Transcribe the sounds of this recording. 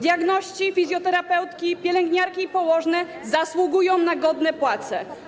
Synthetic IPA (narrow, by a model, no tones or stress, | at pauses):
d̪ʲjaɡnɔɕt͡ɕifʲizʲjɔt̪ɛɾapɛwt̪kʲipʲjɛlɛŋɡɲaɾkʲiːpɔwɔʐnɛ | zaswuɡujɔ̃w̃naɡɔd̪nɛpwat̪sɛ